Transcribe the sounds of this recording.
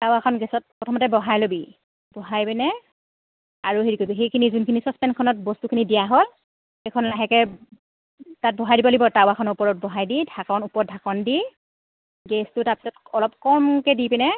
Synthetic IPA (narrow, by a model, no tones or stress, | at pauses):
tawakʰɔnɡɛsɔt̚pɔtʰɔmɔtɛbɔɦajlobi | bɔɦajpɛnɛ | aɹuɦeɹikoɦejkʰinizunkʰinisɔspɛnkʰɔnɔt̚bɔstukʰinidijaɦɔl | xejkʰɔnlaɦɛkɛ | tat̚bɔɦajdibɔlibɔtawakʰɔnɔupɔɹɔt̚bɔɦajdidʱakɔnupɔdʱakɔndi | ɡɛstʊtap̚i̥ɔtɔlɔp̚kɔmkɛdipɛnɛ